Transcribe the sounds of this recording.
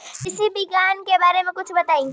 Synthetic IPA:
kɪsibʱiɡaːnkebaːɾemẽkʊt͡ʃʰbɐt̪aːĩːɡi

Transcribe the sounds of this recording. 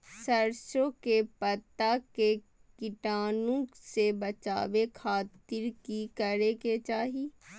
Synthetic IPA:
sɐɾʃõkepɐt̪ːake | kɪʈaːnõsebɐt͡ʃa̰ːʋekʰaːt̪ɪɾkikɐɾeket͡ʃaːɦi

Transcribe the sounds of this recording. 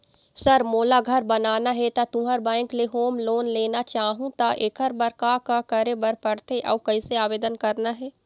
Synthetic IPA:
sɐɾmoːlaɡʱɐɾbɐnaːnaɦɛt̪at̪ũɦəɾbɛ̃ːŋkleɦoːmloːnleːnat͡ʃaːɦũt̪aʔekəɾbɐɾkaːkakəɾebɐɾpɐɽt̪eʔɐ̰ːkɐiseaːʋeːd̪ənkɐɾnaɦɛː

